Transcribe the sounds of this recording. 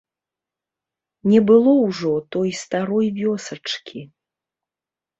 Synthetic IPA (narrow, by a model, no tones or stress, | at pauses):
nʲɛbɨlˠɔwʐɔt̪ɔjst̪aɾɔjvʲɔsɐt͡ʂkʲʰi